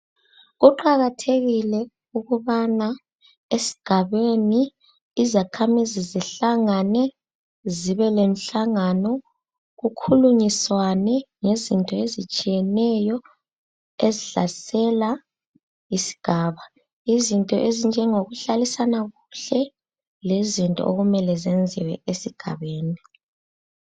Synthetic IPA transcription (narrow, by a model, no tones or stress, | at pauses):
ɣuǃaɣatʰeɣilɛ | uɣuβana | esi̥ɡ̥ʱaβeniː | zakʰamiziziɬaŋanɛ | ziβɛlem̩ɬaŋanɔ | ɣukʰuluɲiswanɛŋezintʼɔezit͡ʃʼijɛnɛjɔ | eziɬa̰sɛla | isi̥ɡ̥ʱaːβa | izintʼɔ̰ʔezind͡ʒʱɛŋoɣuɬalisanaɣuɬɛ | lezintʼɔ̰o̰ɣumɛlɛzend͡zʱiwɛ̰esiɡ̥ʱa̰βeːni